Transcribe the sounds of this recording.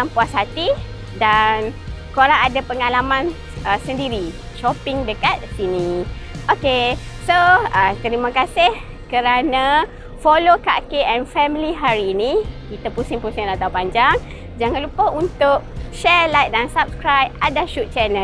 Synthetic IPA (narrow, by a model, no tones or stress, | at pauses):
tampuashat̪i | dan | koɾaŋadapəŋalamãn | əsəndiɾi | ʃɔpɪŋdəkat̪̚sinĩ | ʔoke | soət̪əɾimãkasɪh | kəɾana | folokakeʔɛnfɛmiliɦaɾiːnĩkit̪əpusɪŋpusɪŋlat̪aupaɲd͡ʒaŋ | d͡ʒaŋãnlupəunt̪ʊʔ̚ʃɛlajt̚dansap̚skɾajpadaʃut̪̚t͡ʃɛnə